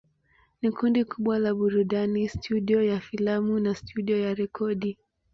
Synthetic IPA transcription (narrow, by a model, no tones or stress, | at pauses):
nikundikuɓwalaɓuɾuɗanistʰuɗiɔjafilamunastʰuɗiɔjaɾɛkʰɔɗi